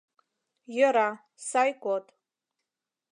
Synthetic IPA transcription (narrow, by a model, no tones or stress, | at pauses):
jaɾa | sajkʷʼotʼ